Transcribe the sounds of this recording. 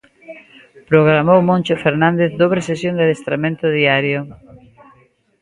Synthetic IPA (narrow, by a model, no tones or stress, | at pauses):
pɾoɣ̞ɾamowmõnt͡ʃofeɾnãnd̪eθd̪oβɾesesjõnd̪eðest̪ɾamẽnt̪oðiaɾjo